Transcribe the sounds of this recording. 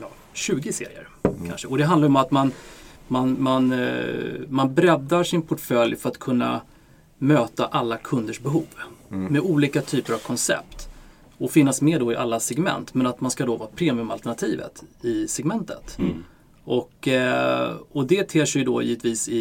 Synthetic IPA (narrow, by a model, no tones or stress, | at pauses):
jː | ɕʉ̟ːɡɪsḛːɾɪ̰ə̰ɾ | kʰa̰nʂəɔd̪ɛɦand̪ajɔmat̪manmanman | manbɾɛd̪ːaʂɪnpʰɔʈfœljfœɾat̪kʰɵnːa̰ | møːt̪aʔalːakʰɵnd̪əʂbɛɦuːvmɛuːliːkat̪ʰyːpəɾavkʰɔnsɛ̰p̚t̪ | ɔfɪnːasmeːɖ̪ɔɪʔalːasɛɡmɛ̰nt̪mɛnat̪manskad̪ɔvɑːpʰɾeːmɪʏɵmalt̪ɛɳat̪ʰiːvə̰t̪ɪsɛɡmɛnt̪ʰə̰t̪ | ʔɔk | ɔd̪ɛt̪ʰeːʂɛjd̪ɔjḭːvət̪viːsɪ